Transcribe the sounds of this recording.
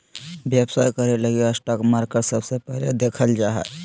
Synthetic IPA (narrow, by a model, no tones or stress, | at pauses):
bjəbsaːjkəɾeləɡeəsʈaːkmaːɾkəʈsəbsepɛɦled̪eːkʰəld͡ʒaːɦɛ̰